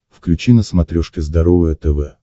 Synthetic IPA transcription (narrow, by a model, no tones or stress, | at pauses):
fklʲʉt͡ɕinəsmɐt̪ɾʲoʂkʲɪzd̪ɐɾovəjət̪ɛvɛ